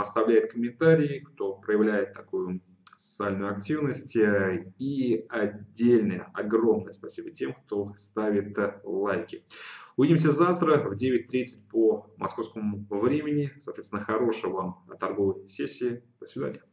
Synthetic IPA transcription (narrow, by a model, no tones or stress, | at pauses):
ɐst̪ɐvlʲæjɪt̪̚kəmʲɪnt̪aɾʲɪɪkt̪o̞pɾəjɪvlʲæjɪt̪ːɐkojʊ | sə̥t̪sɨalʲnʊjʊɐktʲivnəsʲtʲiɐdʲːelʲnəjə̰ɐɡro̞mnəjəspɐsʲibətʲe̞mkt̪o̞st̪avʲɪt̪lˠajkʲɪʊvʲidʲɪms̬ʲəzaft̪ɾəvdʲevʲɪt̚ʲt̪ɾʲit̪sət̚ʲpomʔɐ̰sko̞fskəmʊvɾʲemʲɪnʲɪsɐt̪vʲesʲɪnəxɐɾo̞ʂɨjəvamt̪ɐrɡo̞vəjsʲesʲːɪɪd̪̥əsvʲɪd̪a̰nʲɪjə